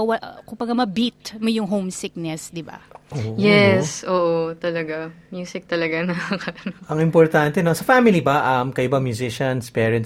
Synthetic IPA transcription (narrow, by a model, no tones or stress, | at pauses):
wɐkʊmbɐɡamɐbit̪̚mojʊŋɦowmsɪk̚nɛsd̪ɪba̰ʔoːʔjɛsʔoːʔot̪ɐlɐɡamjuːsɪk̚t̪ɐlɐɡanɐɐkɐʔɐnoʔɐŋɪmpɔɹt̪ant̪ɛnosɐfamɪlibɐʔɐmkɐʔʊbɐmjʊsɪʃɐnspɛːɹɐnt̪